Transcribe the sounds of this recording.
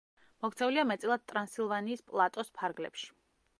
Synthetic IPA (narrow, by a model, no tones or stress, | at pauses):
mɔkʰt̪sʰɛuliamɛt̪sʼilˠad̪̚t̪ʼɾansilˠvaniːspʼlˠat̪ʼɔspʰaɾɡlɛ̰pʃi̥